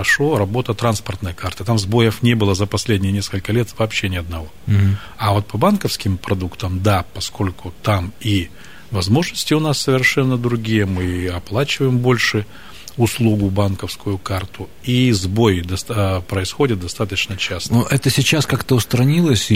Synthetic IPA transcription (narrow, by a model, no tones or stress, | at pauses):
ɐʂo̞ɾɐbo̞t̪ət̪ɾanspərt̪nəjəkart̪ɨt̪amzbo̞jəfnʲebɨlˠəzəpɐsʲlʲedʲnʲɪjənʲeskəlʲkəlʲe̞t̪vɐːpɕːenʲɪɐd̪nɐvo̞ | ɐvo̞t̪̚pɐbankəfskʲɪmpɾɐd̪ukt̪əmd̪apɐskʰo̞lʲkʊt̪ami | vɐzmo̞ʐnəsʲtʲɪʊnasːəvʲɪrʂɛnːəd̪ɾʊɡʲijəmɨɐplˠat͡ɕɪvəjɪmbo̞lʲʂɨ | ʊslˠuɡʊbankəfskʊjʊkart̪ʰʊ | izbo̞jd̪ɐspɾəɪsxo̞dʲɪt̪̚d̪ɐst̪at̪ət͡ɕnət͡ɕast̪oʔɛt̪əsʲɪt͡ɕaskakt̪əʊst̪ɾɐnʲilˠəsʲ